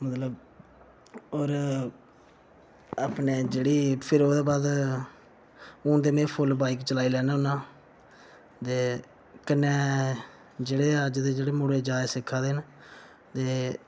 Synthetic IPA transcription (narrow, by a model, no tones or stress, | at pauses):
mət̪ləb | oːɾ | aːpneːd͡ʒeːɽiːpʰɪɾoːd̪eːbaːd̪ | ʊ̃ːd̪eːmẽːpʰʊlbaːiːkt͡ʃəlaːiːlɛːnaːʊnãː | t̪eː | kɪnːẽː | d͡ʒeːɽeːəd͡ʒd̪eːd͡ʒeːɽeːmʊɽeːd͡ʒaːesɪkʰːãːd̪eːn | t̪eː